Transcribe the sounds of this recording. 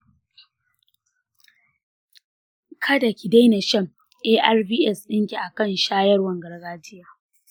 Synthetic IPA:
kʰɐ˦da˨kʲi˨da˦jna˨ʃɐ˦˨m | ʔeː˦ʔa˦rbiː˦ʔɛ˦sɗɪ˦ŋkʲi˨ʔa˨kɐ˦˨nʃaː˦jɐ˦rwɐ˨ŋɡɐ˨rɡaː˦tɪ˦jaː˦

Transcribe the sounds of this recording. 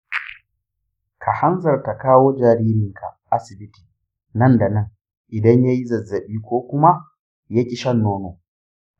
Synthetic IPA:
kʰa˨ha˦nzɐ˨rta˨kaː˦woː˦d͡ʒaː˨ɾiː˦ɾɪ˨ŋkʰa̰˨ʔa˦sɪ˨bɪ˦ti̥ː˨ | nɐ˦nda˨nɐ˦ŋ | ʔɪ˨dɐ˦ɲja˦ji˦zɐ˨zːɐ˨ɓiː˦kʷoː˦kʷʊ˦ma˦ | ja˦kʲʼɪ˦ʃɐ˦nːoː˦noː˨

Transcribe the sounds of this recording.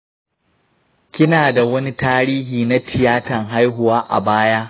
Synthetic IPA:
kʲɪ˦naː˨da˨wɐ˦ni˦taː˦ɾiː˦ɦiː˨na˦tʰɪ˨jaː˦tɐ˨ŋɦa˦jɦʊ˨waː˦ʔa̰˨baː˦jaː˦

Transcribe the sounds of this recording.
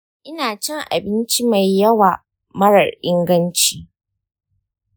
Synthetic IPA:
ʔɪ˦naː˨t͡ʃɛ˦ŋʔa̰˨bɪ˦nt͡ʃi˦ma˨jːɐ˦waː˨ | mɐ˦ɽɐ˨rʔɪ˦ŋɡɐ˦nt͡ʃiː˦

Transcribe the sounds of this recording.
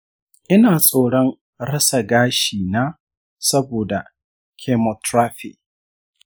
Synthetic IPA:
ʔɪ˦naː˨sʼoː˦˨ɽɔ˦ŋ | ɽɐ˦sa˨ɡaː˦ʃiː˨naː˦ | sɐ˦boː˨da˨ | kʲʰe˦mɔ˨tɾaː˦ɸɪ̰˨ʔ̚

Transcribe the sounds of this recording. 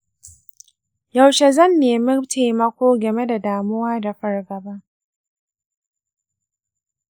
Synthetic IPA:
ja˨wʃe˨zɐ˦˨nːeː˨mɪ˦mtʰeː˨mɐ˦kʷoː˦ɡɐ˨me˦da˨daː˨mʊ˦waː˦da˨ɸɐ˦rɡɐ˨ba˦ʔ

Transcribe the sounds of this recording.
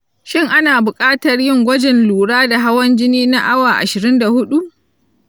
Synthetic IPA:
ʃɪ˦˨ŋʔa˦naː˨bʊ˨kʼaː˦tɐ˨rjɪ˦ŋɡʷɐ˦d͡ʒɪ˨nluː˨ɽaː˦da˨ɦa˦wɐ˦nd͡ʒɪ˦niː˦na˦ʔa˦waː˨ʔa̰˨ʃɪ˨ɾɪ˦nda˨hʊ˦ɗu˦ʔ

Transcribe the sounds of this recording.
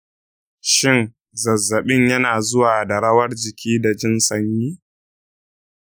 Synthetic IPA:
ʃɪ˦ŋ | zɐ˨zːɐ˨ɓɪ˦ɲjɐ˦naː˨zʊ˦waː˨da˨ɽɐ˦wɐ˦rd͡ʒɪ˨kʲʰiː˦da˨d͡ʒɪ˦nsɐ˦ɲjiː˦

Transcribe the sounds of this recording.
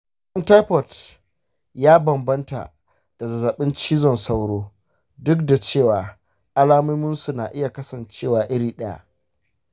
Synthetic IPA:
ʔɐ˦nta˦ɸɔ˨t | jaː˦bɐ˨mbɐ˦nta̰˨ | d̥a˨zɐ˨zɐ˨ɓɪ˦nt͡ʃiː˦zɔ˨nsa˦wɽoː˦ | dʊ˦k̚da˨t͡ʃeː˦˨waː˨ | ʔa˦laː˦mʊ˦mʊ˦nsu˨na˨ʔɪ˦ja˨kɐ˦sɐ˨nt͡ʃeː˦˨waː˨ʔɪ˦ɾiː˨ɗɐ˦ja̰˦˨ʔ

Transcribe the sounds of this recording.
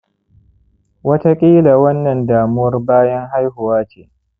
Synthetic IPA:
wɐ˦ta˦kʲʼiː˦la˨wɐ˦nːɐ˨ndaː˨mʊ˦wɐ˦rbaː˦jɐ˦ŋɦa˦jɦʊ˨waː˦t͡ʃeː˨

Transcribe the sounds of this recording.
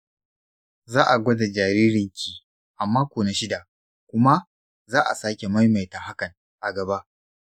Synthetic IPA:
zaː˦ʔa˨ɡʷɐ˦da˨d͡ʒaː˨ɾiː˦ɾɪ˨ŋkʲʰiː˨ | ʔa˨mːaː˦kʷoː˨na˨˦ʃɪ˦da˨ | kʷʊ˦ma˦ | zaː˦ʔa̰˨saː˦kʲe˨ma˦jma˨jtaː˨ha˦kɐ˨ŋ | ʔa˨ɡɐ˨ba˦ʔ

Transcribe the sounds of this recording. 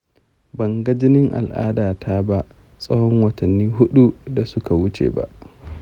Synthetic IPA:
bɐ˨ŋɡɐ˦d͡ʒɪ˦nɪ˦ŋʔa̰˨lʔa̰ː˦daː˨tʰaː˦ba˦ʔ | sʼɐ˦hɔ˦ŋwɐ˨tʰɐ˨nːiː˦ɦʊ˦ɗu˦da˨sʊ˦ka˨wʊ˦t͡ʃḛː˨ba̰˦ʔ

